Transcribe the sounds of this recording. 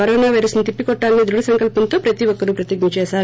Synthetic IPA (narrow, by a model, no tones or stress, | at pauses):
kɐɾɔːnaːʋɐjɾɐsnɐt̪ipːikɔʈːaːlnid̪ɾuɽɐsɐŋkɐlpɐnt̪o̞ːpɾɐt̪iʋɔkːɐɾupɾɐt̪iɡɲɐt͡ʃɛːʃaːɾu